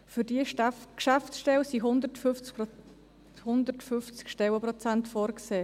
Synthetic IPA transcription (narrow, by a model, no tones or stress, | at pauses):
fyɾdiəkʃaftsʃtɛwsiɦʊnd̪ətfft͡s | hʊnd̪əɾtfʏft͡skʃtɛwəpɾɔt͡sæntfoːɾkseː